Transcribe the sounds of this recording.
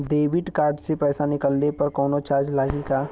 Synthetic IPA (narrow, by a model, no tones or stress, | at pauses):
ɖ̪eːʋɪʈkaːɾɖsepɛːsanɪkəlnepɐɾkɔːnot͡ʃaːɾd͡ʒlaːɡikaː